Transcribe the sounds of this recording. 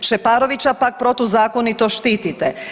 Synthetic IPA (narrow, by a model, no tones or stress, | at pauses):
ʃepaːɾoʋit͡ɕapak̚pɾo̞t̪uzaːkonit̪o̞ʃt̪iːt̪it̪e